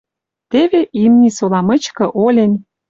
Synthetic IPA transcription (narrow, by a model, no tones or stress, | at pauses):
t̪eβeʔimnʲisolɑmə̆t͡ɕkɤ̆ʔolʲen